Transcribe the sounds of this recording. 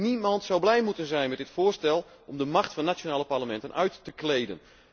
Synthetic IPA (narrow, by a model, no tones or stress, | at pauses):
nimɑntsawblɛjmutənzɛjnmɛt̚dɪtfʊːrstɛlˠ | ʔɔmdəmaxtfɑnːat͡ʃjonaːləparləmɛntənʔœ̰ɥtːəklejdən